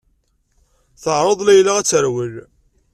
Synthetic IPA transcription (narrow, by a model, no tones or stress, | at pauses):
θəʕɾˤəðˤlæjlːaʁæt͡sːəɾwəl